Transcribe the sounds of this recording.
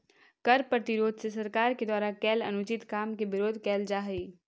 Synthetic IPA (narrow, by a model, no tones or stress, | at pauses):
kɐɾpɾɐt̪ɪɾoːd̪ʱsesɐɾkaːɾked̪waːɾakɛːlɐ̰nʊt͡ʃɪt̪kaːmkeʋɪɾoːd̪ʱkɛːld͡ʒaːɦɾiː